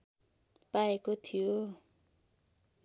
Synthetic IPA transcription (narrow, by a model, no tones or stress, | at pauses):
paekot̪ʰijo